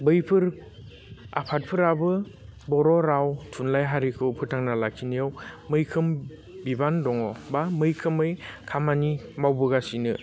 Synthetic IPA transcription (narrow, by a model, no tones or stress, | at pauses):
bɯjpʰɯɾ | a̰pʰat̚pʰɯɾabɯbɔɾɔɾawtʰunlajɦaɾikʰɯwpʰɯtʰaŋnalakʰinijawmɯjkʰɯm | bibandɔŋɔbamɯjkʰɯmɯjkʰamanimawbɯɡasinɯ